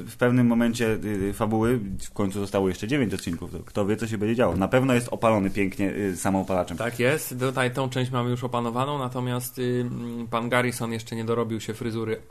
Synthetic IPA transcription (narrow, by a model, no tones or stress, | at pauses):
fpɛvnɘmːɔmɛɲt͡ɕɛfabuwɘfkɔɲt̪suzɔst̪awɔjɛʂt͡ʂɛd͡ʑevʲeɲt͡ɕɔt̪̚t͡ɕinkufd̪ɔ̰kt̪ɔvʲjɛt̪ɔɕ̬ɛbɛɲd͡ʑɛd͡ʑawɔnapɛvnɔjɛst̪ɔpalɔnɘpʲjɛŋkɲɛsamɔ̃ɔpalat͡ʂɛmt̪akjɛst̪t̪ut̪ajt̪ɔ̃w̃t͡ʂɛ̃w̃ɕt͡ɕmamɘjuʂɔpanɔvanɔ̃w̃nat̪ɔmʲjast̪ | panɡaɾisɔnjɛʂt͡ʂɛɲɛd̪ɔɾɔbʲiwɕɛfɾɘzuɾɘ